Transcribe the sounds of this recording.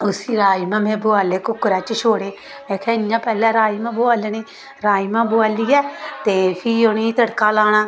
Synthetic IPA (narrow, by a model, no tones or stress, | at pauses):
ʊsiːɾaːimãːmɛ̃ːbʊaːleːkʊkːɾaːt͡ʃʃʰoːɽeː | mɛ̃ːkʰɛjãːpɛːlãːɾaːiːmãːbʊaːlniː | ɾaːiːmãːbʊaːliːɛːt̪eːpʰiːoniːt̪əɽkaːlaːñaː